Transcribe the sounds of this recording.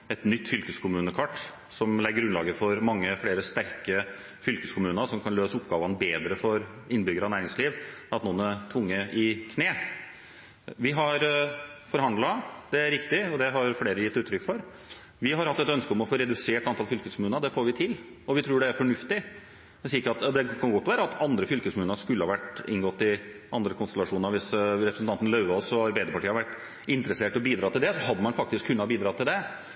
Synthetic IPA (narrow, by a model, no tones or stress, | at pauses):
ɛt̪nʏt̪ːfʏlkʉskʰʊmʉːnəkʰɑʈː | sɔmlɛɡəɡɾʉnlɑ̰ːɡəfɔɾmɑŋːəfleːɾəst̪æɾkə | fʏlkəskʰʊmʉːnəɾsɔmkʰɑnløːsəʊpɡɑːʋɑnbeːd̪ɾəfɔɾ | ɪnbʏɡəɾəɑnæːɾɪŋsliːʋɑt̪nuːnət̪ʰʋʊŋːəʔɪkʰneː | ʋɪɦɑɾfɔɾhɑnd̪lɑd̪̥ɛæɾɪkt̪ɪɔd̪ɛɦɑɾfleːɾəjɪt̪ːʉːt̪ʰːɾʏkːfɔɾ | ʋɪɦɑɾhɑt̪ːɛt̪œnskəʊmɔfoːɾɛd̪ʉseːʈɑnt̪ʰɑlfʏlkəskʊmʉːnəɾd̪ɛfoːɾʋɪt̪ʰɪl | ɔʋɪt̪ʰɾʉːɖɛæɾfɔɳʉft̪ɪ | ɛsiɪkəɑt̪d̪ɛkʰɑnɡɔt̪ːʋæːɾəɑt̪ɑnd̪ɾəfʏlkəskmʉːnəɾʂkʉlːəhɑʋæʈːɪ̰nɡɔt̪ːɪʔɑnd̪ɾəkʊnst̪ɛlɑʂuːnəɾʋɪsɾɛpɾsn̩ʰɑnt̪nlɑʉɑɔsɔɑɾbæɪd̪əɾpɑʈʰiːɑhɑɾʋæʈː | ɪnt̪ɾəseːʈɔbiːd̪ɾɑːt̪ːɪld̪ɛsɔɦɑd̪ːəmɑnfɑk̚t̪ɪskʰːʉnːɑbiːd̪ɾɑt̪ʰːɪld̪ɛ